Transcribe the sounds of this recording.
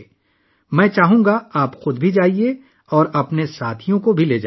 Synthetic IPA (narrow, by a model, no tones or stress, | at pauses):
mɛ̃ːt͡ʃaːɦũːŋɡaaːpxʊd̪bʱid͡ʒaːie | ɔːɾɐpnesaːt̪ʰijõkobʱileːd͡ʒa